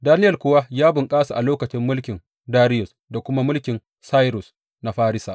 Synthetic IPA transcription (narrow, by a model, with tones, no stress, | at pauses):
daː˦nɪ˦jɐ˨kʷʊ˦wa˦jaː˦bʊ˨ŋkʼaː˦sa˨ʔa˨loː˦kɐ˨t͡ʃɪ˦mːʊ˦lkʲɪ˨n | daː˦ɾɪ˦jʊ˨s | da˨kʷʊ˦ma˦mʊ˦lkʲɪ˨n | sa˦jɾʊ˨s | na˨ɸaː˦ɾɪ˦sa̰ː˨ʔ